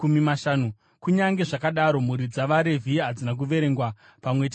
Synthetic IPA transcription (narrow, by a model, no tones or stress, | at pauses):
umimaʃaːnu | kuɲaŋɡe̞ʐakaɗaɾo̞muɾid͡zaʋaɾe̞vʱiɦad͡zinak̬uʋe̞ɾe̞ŋɡwa | pamwe̞t